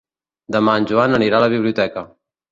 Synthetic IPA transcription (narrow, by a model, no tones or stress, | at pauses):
d̪əmanʲʒuanəniɾaləβiβliut̪ɛkə